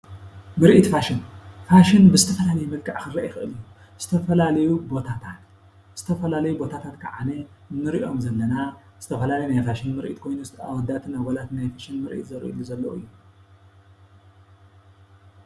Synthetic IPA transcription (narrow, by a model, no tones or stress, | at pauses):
mɨɾʔit̪faʃɪnfaʃɪnbɨzɨt̪ʰɐfɐlalɐjumɨlkʰʼaʕkɨɾɐʔexɨʔɨlɨjːu | z̥ɨt̪ʰɐfɐlalɐjubo̞t̪ʰat̪ʰat̪ | z̥ɨt̪ʰɐfɐlalɐjubo̞t̪ʰat̪ʰat̪kʰɐʕa̰ne | nɨɾiʔo̞mzɐlːɐna | z̥ɨt̪ʰɐfɐlalɐjnajfaʃɪnmɨɾʔḭt̪kʰo̞jnust̪ʰʔa̰wɔd̪at̪ʰɨnaɡɐlat̪najfaʃɪnmɨɾʔḭt̪zɐɾʔḭlːuzɐlːɐʔɨ̰jːu